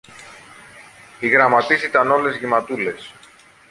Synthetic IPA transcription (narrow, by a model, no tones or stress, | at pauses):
iɣɾɐmɐt̪isit̪ɐno̞le̞zʝimɐt̪ule̞s